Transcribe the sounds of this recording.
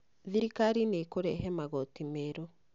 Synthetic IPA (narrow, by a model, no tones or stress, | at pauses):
ðiɾikaɾinekoɾɛɦɛmaɣotimeɾo